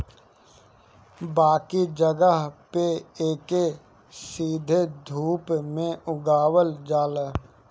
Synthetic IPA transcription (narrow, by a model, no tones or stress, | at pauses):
baːkid͡ʒəɡəɦpeeːke | siːd̪ʱed̪ʱuːpmẽʔʊɡaːwəld͡ʒaːlə